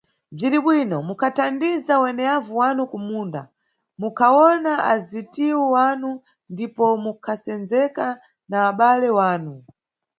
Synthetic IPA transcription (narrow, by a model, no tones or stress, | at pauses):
b͡ʐiɾiɓwinɔmukʰatandizawɛnɛavuwanukumuːnda̰ | mukʰawɔnaʔazitiwɔwanu | ndipɔmukʰasɛnd͡zɛka | naːɓalɛwaːnu